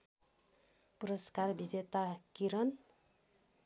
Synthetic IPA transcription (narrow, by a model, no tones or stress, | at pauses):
puɾʌskarbid͡zet̪akiɾʌn